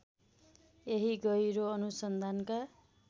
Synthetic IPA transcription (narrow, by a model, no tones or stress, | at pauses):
eɦiɡʌjɾoʌnusʌnd̪ʱanka